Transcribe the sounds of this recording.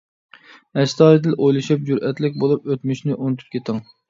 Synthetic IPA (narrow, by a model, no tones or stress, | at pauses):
ɛʃt̪ɑːɾɨd̪ɪlʔojlˠɨʃip̚d͡ʒuɾʔɛt̪lɪkʲbolˠup̚øt̪myʃnɪʔont̪ʰy̥p̚kʲʰet̪ʰɨŋ